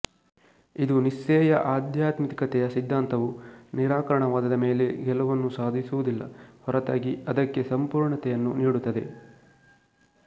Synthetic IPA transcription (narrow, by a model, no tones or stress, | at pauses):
id̪unisːɛːjɐʔaːd̪jaːt̪mit̪kɐt̪ɛjɐsid̪ʱːaːnt̪ɐʋuniɾaːkɐɾɐɳɐʋaːd̪ɐd̪ɐme̞ːle̞ɡɛlɐʋɐnːusaːd̪ʱisuʋud̪ilːɐ̰hɔɾɐt̪aːɡiɐd̪ɐkːe̞sɐmpuːɾɳɐt̪ɛjɐnːuniːɽut̪ːɐd̪e̞̰